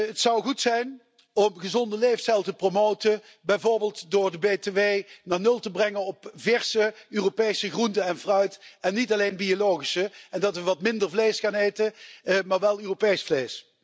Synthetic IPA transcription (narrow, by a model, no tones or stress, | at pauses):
ətsɑwɣutsɛjn | ɔmɣəzɔndəlejfstɛlˠtəpromowtə | bɛjvoːɹbeːlˠtdʊːɹdəbeteʋeːnaːɹnɵlˠtəbrɛŋənɔpvɛɹsəøːropejsəɣruntəɛnvrœɥtɛnːitɑlejnbiolowχisəɛndɑtʋəʋɑtmɪndərvlejskaneːjtəmaːɹʋɛlˠøːropejsflejs